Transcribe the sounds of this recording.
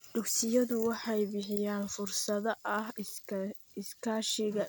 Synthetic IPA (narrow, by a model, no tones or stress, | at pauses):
d̪̥ʊɡsɪjɐðʊwɑħɑjbɪħɪjaːnfʊrsɐðɐʔɐh | ɪskʰaːʃɪɣɐ